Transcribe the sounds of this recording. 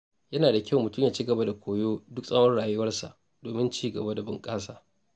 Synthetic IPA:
jɐ˦naː˨da˨kʲʰɐ˦wmʊ˨tʊ˦mjaː˨t͡ʃi˦ɡɐ˨ba˦da˨kʷoː˨joː˦dʊ˦ksʼɐ˦wɐ˦rɽaː˨jʊ˦wɐ˦rsa̰˨ʔ | d̥oː˨mɪ˦nt͡ʃiː˦ɡɐ˨ba˦da˨bʊ˨ŋkʼaː˦saː˨

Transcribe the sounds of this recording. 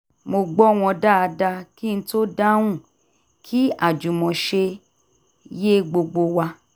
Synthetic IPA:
mo˧ɡ͡bɔ˦˨w̃ɔ̃˧da˦˨a˧da˧ki˦ñ̩˦to˦da˦w̃ũ˦˨ | kʰi˦a˦˨d͡ʒu˨mɔ̃˨ʃe˧ | je˦ɡ͡bo˧ɡ͡bo˧wa˧

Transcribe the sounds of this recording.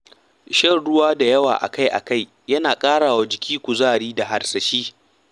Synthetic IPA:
ʃɐ˦˨rɽʊ˦waː˦da˨jɐ˦wa̰ː˨ʔa̰˨ka˦jʔa̰˨ka˦˨j | jɐ˦naː˨kʼaː˦ɽaː˨wa˦d͡ʒɪ˨kʲiː˦kʷu˨zaː˦ɽiː˦da˨ɦa˨rsɐ˨ʃiː˦

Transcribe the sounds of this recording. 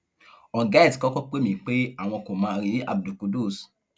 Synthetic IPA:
ɔ̃˨ɡa˦i˦˨skɔ˦kɔ˦k͡pe˦mĩ˦˨k͡pe˦a˦˨w̃ɔ̃˧ko˨mãː˧˦˧ɾi˨˦a̰˨bdu˨ko˨do˦˨s

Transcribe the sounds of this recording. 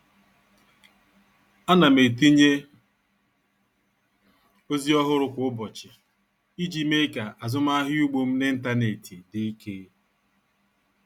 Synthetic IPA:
a˦na˨me˨ti˦ɲe˦ | o˦zi˦ɔ˦ɦʊ˦ɾʊ˦kʷʊ˨ʊ˦bɔ˨t͡ʃɪ˨ | i˦d͡ʒi˦me˦ka˨a˨zʊ˦m˦a˦ɦju˦ɡ͡bo˦m̩˦nɪ˦n̩˦ta˦ne˨ti˨dɪ˨i˦kʰe˦

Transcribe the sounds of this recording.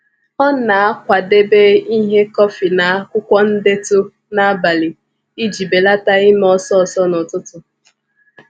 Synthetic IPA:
ɔ˦na˨a˦kʷa˨de˦be˦i˦ɦe˦kɔ˦fi˨na˨a˦kʷʊ˦kʷɔ˦n̩˦de˦tʊ˦ | na˦ba˨li˨ | i˦d͡ʒi˨be˨la˦ta˦i˦m˦ɔ˦sɔ˦˨sɔ˦nɔ˨tʊ˦tʊ˦

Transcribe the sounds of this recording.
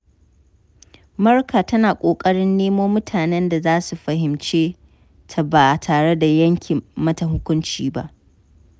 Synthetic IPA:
mɐ˦rkʰaː˨tɐ˦naː˨kʷʼoː˨kʼɐ˦ɽɪ˦nːeː˦moː˦mʊ˦tʰaː˨nɛ˦nda˨zaː˦su˨ɸɐ˨ɦɪ˨mt͡ʃeː˦ | tʰa˨baː˨tʰaː˨ɽe˦da˨jɐ˦ŋkʲʰɪ˨mmɐ˦ta˨ɦʊ˦kʷʊ˦nt͡ʃiː˦ba̰˦ʔ

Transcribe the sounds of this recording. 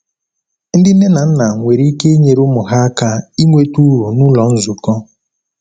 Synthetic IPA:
n̩˦dɪ˦e˦na˨n̩˦na˨ŋʷe˨ɾi˦ke˦ɲe˨ɾʊ˦mʊ˨ɦa˦a˦ka˦i˦ŋʷe˦tu˦ɾo˨nu˦lɔ˨n̩˦zʊ˨kɔ˦

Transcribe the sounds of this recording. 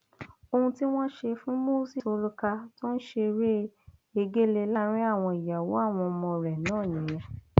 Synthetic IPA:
o˧hũ˧ti˦w̃ɔ̃˦ʃe˧fũ˦mo˦si˦˨so˧ɾu˦ka˧to˦n̩˦ʃe˧ɾe˦e˧ɡe˦le˧la˦˨ɾ̃ĩ˦a˦˨w̃ɔ̃˧i˨ja˨wo˨˦a˦˨w̃ɔ̃˧mɔ̃˧ɾɛ˨nãː˦˨nĩ˨˦j̃ɛ̃˧

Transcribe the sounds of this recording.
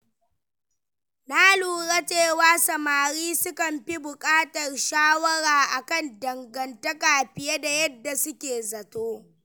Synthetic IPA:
naː˦luː˨ɽa˦t͡ʃeː˦˨waː˦sɐ˨maː˨ɽiː˦sʊ˦kɐ˨mɸi˦bʊ˨kʼaː˦tɐ˨rʃaː˦wɐ˦ɽaː˨ʔa˨kɐ˦˨ndɐ˨ŋɡɐ˨ntɐ˦kaː˨ɸɪ˨je˦da˨jɐ˦dːa˨sʊ˦kʲeː˨zɐ˨toː˦

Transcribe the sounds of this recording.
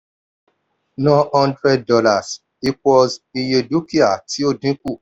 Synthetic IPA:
nɔ̃˦hã˦ndɾɛ˦d̚ːɔ˦la˨s | i˦twɔ˧zi˧je˧du˦ki˦a˨tʰi˨˦o˦˨dĩ˨˦ku˦˨

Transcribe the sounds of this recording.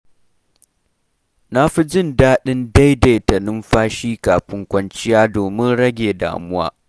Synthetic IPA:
na˦ɸi˦d͡ʒɪ˦ndaː˦ɗɪ˦nda˦jda˨jtɐ˨nɪ˦mɸaː˦ʃiː˦kaː˨ɸɪ˦ŋkʷɐ˦nt͡ʃɪ˦jaː˦doː˨mɪ˦nɽɐ˦ɡʲeː˨da̰ː˨mʊ˦wa̰ː˦

